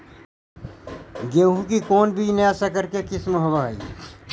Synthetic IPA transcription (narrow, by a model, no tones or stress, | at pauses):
ɡeːɦũkikoːnbʱineasakəɾkekɪsmɦoʋaɦəḭ